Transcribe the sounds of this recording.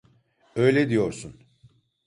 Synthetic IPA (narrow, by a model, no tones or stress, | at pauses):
ø̞jlʲɛd̪ijo̞ɾsun